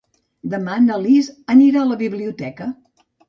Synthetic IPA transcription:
d̪əmanəlizəniɾaələβiβliut̪ɛkə

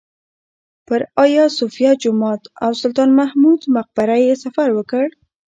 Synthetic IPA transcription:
pəɾɑjɑsofijad͡ʒʊmɑt̪awsʊlt̪ɑnmahmud̪maq̚baɾajesafaɾwəkəɽ

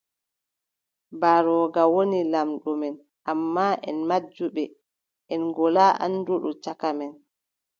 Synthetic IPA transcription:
baɾɔːɡawonilamɗɔmɛn | ʔamːaʔɛ̰nmad͡ʒːuɓɛ | ʔɛnɡɔlaːʔa̰nːduɗṵt͡ʃakamɛn

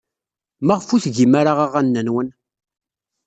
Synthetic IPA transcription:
maʁfuθʝimaɾaʁaʁanːænwən

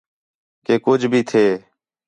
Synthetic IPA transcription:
keːkʊd͡ʒʱbʱiːt̪ʰeː

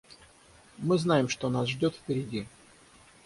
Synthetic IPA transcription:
mɨznajɪmʂt̪onasʐdʲo̞t̪fpʲɪɾʲɪdʲi

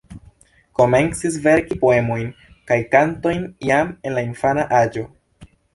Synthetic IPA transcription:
ko̞me̞nt͡sis̬ve̞ɾkipo̞e̞mo̞jn | kajkanto̞jnjame̞nlainfanaʔad͡ʒo̞

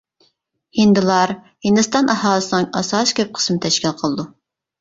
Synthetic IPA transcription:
hind̪ɨlˠɑɾ | hɨnd̪ɨst̪ɑnʔɑhɑːlˠəsənɨŋɑsɑskʲʰøp̚qʰə̥smt̪ʰɛʃkʲælqʰəlˠɨd̪u

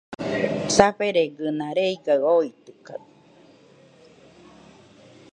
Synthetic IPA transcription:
saɸeɾeɡɯnãɾeiɡaɯoit̪ɯka

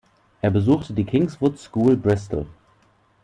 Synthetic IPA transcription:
ʔeːɐbəzuːxtʰədiːkʰɪŋsvʊtskuːlbʁɪstl̩

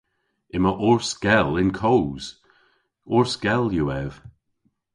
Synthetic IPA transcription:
ɪməʔɔɹsɡ̥ɛlɪnkʰowz̥ | ɔɹsɡ̥ɛlˠjəɛv̥

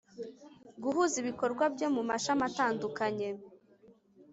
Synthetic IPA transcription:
ɡuɦuziβiko̞ɾɡwabjo̞mumaʃamataːndukaɲe̞

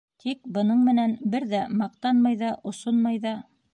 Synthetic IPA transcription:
t̪ʰik̚bɤ̆nɤɴmɘ̆nænbɘɾðæmɑq̚t̪ɑnmɑjðɑʔŏsonmɑjðɑ

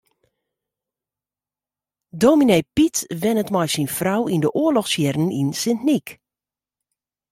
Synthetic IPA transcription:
domineːpitʋɛnətmɔjsinfrawindəʔʊəlɔxsjɛrən̩ḭnsɪntnik

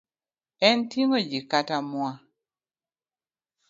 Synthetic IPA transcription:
ɛntiŋod͡ʒikatamwa

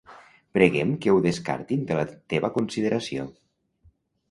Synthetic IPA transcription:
pɾeɣɛmkəwðeska̰ɾt̪ind̪əlat̪eβakunsiðəɾʔasio̰

